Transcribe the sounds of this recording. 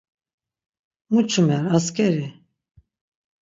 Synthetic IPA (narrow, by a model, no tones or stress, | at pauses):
mut͡ʃʰumɛɾaskʰɛɾi